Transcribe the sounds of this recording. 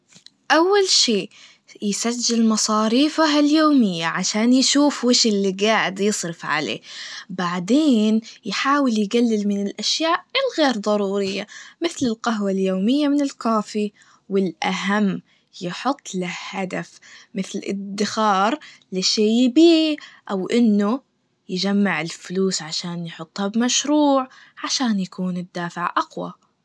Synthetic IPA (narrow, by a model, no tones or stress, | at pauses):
ʔawːalʃiː | jsad͡ʒːɪlmɑsˤɑːɾiːfaɦaljoːmɪjːaʕaʃaːnjʃuːfwɪːʃɪlːiɡaːʕɪd̪jɨsˤɾɪfʕa̰lḛːbaʕd̪eːnjħaːwɪljɡalːɪlmɪnɪlʔaʃjaːʔɪlɣeːɾd̪ˤɑɾˤuːɾɪjːamɪθlɪlqaɦwaljoːmɪjːamɪnɪlkaːfi | wɪlʔaɦamː | jɪħʊt̪ˤːlɪhad̪afmɪθlʔɪ̰d̪ːɪxɑːɾˤlɪʃejbiːʔawʔɪnːʊ | jɪd͡ʒamːaʕɪlfʊluːsʕaʃaːnjħʊt̪ˤːhabmaʃɾuːʕ | ʕaʃaːnjakuːnɪd̪ːaːfɪʕʔaqwa̰